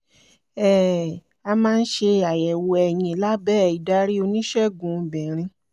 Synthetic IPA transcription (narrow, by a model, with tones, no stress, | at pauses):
ɛː˦˨ | a˧mãː˦˧n̩˦ʃe˧a˨jɛ˨wo˧ɛ˨j̃ĩ˧la˦bɛː˦˨i˨da˨˦ɾi˦o˧nĩ˦ʃɛ˦˨ɡũ˨˦˧bĩ˨ɾ̃ĩ˧